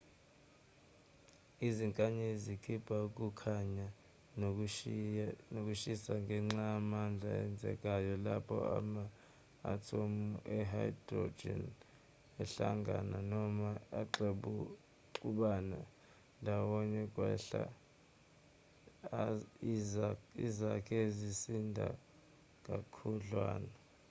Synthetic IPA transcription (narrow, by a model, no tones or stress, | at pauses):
iziŋkʼaɲezikʰib̥ʱauk̬ʼukʰaɲa | nok̬ʼuʃisaŋɡʱɛŋ͡ǁaːmand͡ɮʱa̰ɛ̰nd͡zʱɛ̰kʼajɔlapʰɔ̰a̰ma̰ː | tʰomuʔɛɦaidrɔ̰d͡ʒɛ̰n | ɛɬaŋɡʱananɔmaaǃeɓu | ǃuɓana | ndʱawɔɲɛkʼwɛɬa̰ | izakʰʼɛzisindʱa̰ | k̬ʼakʰuɮwa̰ːna